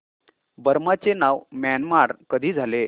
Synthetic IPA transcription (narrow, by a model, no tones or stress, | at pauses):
bəɾmat͡senaʋmænmaɽkəd̪ʱiːd͡zʱale